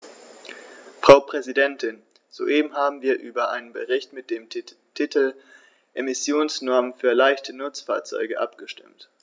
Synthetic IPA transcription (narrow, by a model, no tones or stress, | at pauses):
fʁ̥aʊpʁ̥ɛzidɛntʰɪn | z̥o̰ːʔeːbm̩ɦaːbm̩viːɐʔyːbɐʔa̰ɪnənbəʁɪçtmɪt̚d̥eːm | tʰɪtʰl̩ | ʔemɪsjoːnsnɔɐmənfyːɐlaɪçtʰənʊt͡sfa̰ːɐt͡sɔ̰ʏɡəʔa̰pɡ̥əʃtɪ̰mt